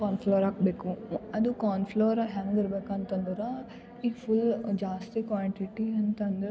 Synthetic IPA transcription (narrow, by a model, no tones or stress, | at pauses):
kaːnpʰloːɾaːkbeːkuɐd̪ukaːnpʰloːɾɦaːŋɡiɾbeːkant̪ɐnd̪ɐɾa | iːpʰuld͡ʒaːst̪ikʋaːɳʈiʈiɐnt̪ɐnd̪ɐɾ